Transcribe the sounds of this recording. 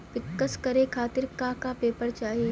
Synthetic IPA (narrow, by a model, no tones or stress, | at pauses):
pɪkːəskɐɾekʰaːt̪ɪɾkakapeːpəɾt͡ʃaːɦie